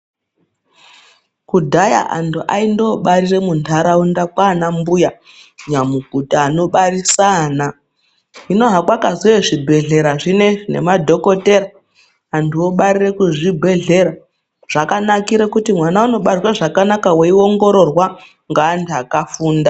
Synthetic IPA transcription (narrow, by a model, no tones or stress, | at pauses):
kudʱaja̰ʔa̰ntʰuʔa̰indo̞ɓarire̞muntʰaɾaundakwaːnambuja | ɲamuɡʱutaːno̞ɓarisana | ino̞ɦakwakazoeʐibʱe̞ɮe̞ɾaʐine̞nḛmadʱo̞ko̞te̞ɾaː | ntʰuo̞ɓaɾire̞kuʐibʱe̞ɮe̞ɾa | ʐ̥akanakiɾe̞kutimwanauno̞ɓawaʐakanakaweio̞ŋɡo̞ɾo̞rwa | ŋɡaːntʰuakafuːnda